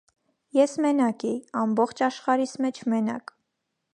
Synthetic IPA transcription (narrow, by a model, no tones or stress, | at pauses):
jɛsmɛnɑkijɑmbɔχt͡ʃʰɑʃχɑɾismɛt͡ʃʰmɛnɑ̰k